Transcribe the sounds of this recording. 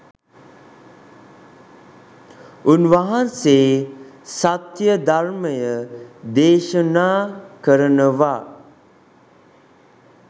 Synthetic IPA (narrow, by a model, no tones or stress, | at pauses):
unʋaɦanseː | sat̪jəd̪arməjəd̪eːʃənaːkəɾənəʋa